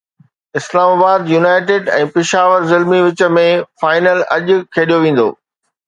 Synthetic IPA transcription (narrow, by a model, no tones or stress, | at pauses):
ɪslaːmaːbaːd̪juːnaːɪʈɪːɖɛ̰̃ːpɪʃaːʋəɾzɪlmiʋɪt͡ɕə̆mẽfaːɪnəlɐ̰ʄkʰeːɗijoʋẽːn̆d̪o̰ː